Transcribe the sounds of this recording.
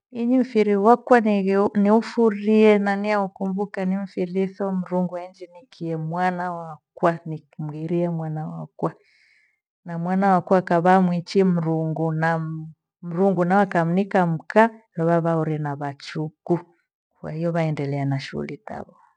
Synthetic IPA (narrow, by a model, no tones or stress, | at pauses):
iɲiɱ̩fiɾiwakwanniufuɾiɛnaniaukumbukaniɱ̩fiɾiθɔm̩ɾuŋɡuaiɲd͡ʒinikʰiɛmwanawakwanim̩ɣiɾiɛmwanawa̰kwa | namwanawakwakaβaːmwit͡ʃim̩ɾuŋɡuna | m̩ɾuŋɡunawakam̩nikam̩kalɔβaβauɾɛnaβat͡ʃuku | kwa̰hijɔβaɛndɛlɛanaʃṵṵlita̰βɔ